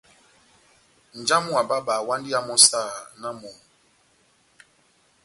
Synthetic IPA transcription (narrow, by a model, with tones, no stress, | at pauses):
n̩˨d͡ʒa˦mu˦a˨ba˦ɓaː˨wã˦ndi˦a˦mɔ˦sa˦˨na˦mɔ˨